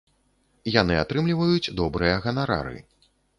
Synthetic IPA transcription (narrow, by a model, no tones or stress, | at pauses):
jan̪ɨat̪ɾɨmlʲivɐjut͡sʲd̪ɔbɾɨjɐɣɐnaɾa̰ɾɨ̰